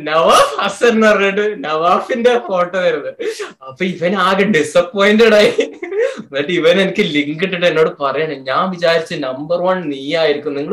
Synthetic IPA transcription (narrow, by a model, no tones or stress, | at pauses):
nɐʋaːfɐseɾnːɐriɲeʈ̬ːɨnɐʋaːfindefo̞ːʈːot̪ɐɾunːɨɐpːɐiʋɐnaːɣɐɖisɐpːoːjinduɽaːji | nːaːʈːɨiʋɐnenikʲːɨliŋkɡiʈːiʈːɨe̞nːo̞ːɽɨpɐrɐjaɳɨɲaːnʋid͡ʑaːɾit͡ɕːɨnɐmbɐrʋɐnniːjaːjiɾikʲːumniŋːɐɭ